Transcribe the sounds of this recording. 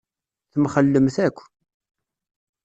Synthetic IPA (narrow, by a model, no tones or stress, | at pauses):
θəmχəlːəmθækʷː